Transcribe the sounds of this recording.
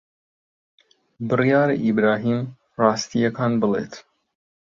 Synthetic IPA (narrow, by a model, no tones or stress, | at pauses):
bɨrijaːɾa̰ʔibɾaːɦiːm | rɑːst̪ijɐkaːnbɨlḛːt̪